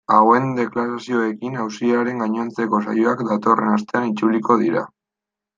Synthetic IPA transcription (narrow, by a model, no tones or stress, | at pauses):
awe̞nd̪e̞klaɾasio̞e̞kinawsiaɾe̞ŋɡaɲo̞nt͡se̞ko̞sa̰joakd̪at̪o̞re̞nast̪e̞anit͡suliko̞ðiɾa̰